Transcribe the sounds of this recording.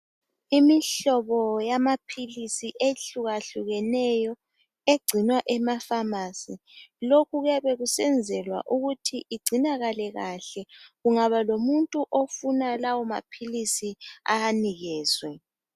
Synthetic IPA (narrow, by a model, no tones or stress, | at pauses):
imiɬɔβɔjamapʰilisiʔeɬuɣaɬuɣɛnɛjɔ | eɡ͡ǀʱinwaʔɛmafamasi | lokʰuɣaβɛɣusɛnd͡zʱɛlwa̰ʔuɣutʰiʔiɡ͡ǀʱinaɣalɛɣaɬɛɣuŋaβalomuntʼuʔofunalawɔma̰pʰilisiaaniɣɛːswɛ